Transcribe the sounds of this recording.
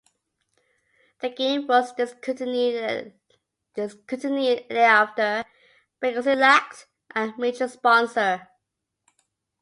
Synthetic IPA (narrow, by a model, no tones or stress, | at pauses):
ðəɡẽɪ̃mwʌzdɪskʰʊtni | d̥ɪskʰʊtɪniðəaftə˞ | b̥ɪʌzɪlæk̚t | ʔəmeɪd͡ʒəspɔ̃nsə˞